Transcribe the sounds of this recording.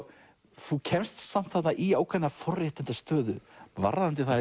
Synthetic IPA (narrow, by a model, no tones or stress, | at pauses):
θucʰɛmst̪sam̥t̪θat̪naʔiaːwkʰvɛnːafɔrrɪht̪ɪnt̪ast̪œːðʏ̰va̰ɾðant̪̬ɪθa